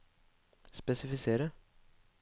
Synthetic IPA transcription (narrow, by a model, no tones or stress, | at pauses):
ɪspesifiseɾɐ